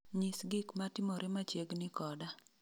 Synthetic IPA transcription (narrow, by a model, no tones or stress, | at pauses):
ɲisɡɪkmatɪmɔɾʔɪmat͡ʃjeɡnɪkɔda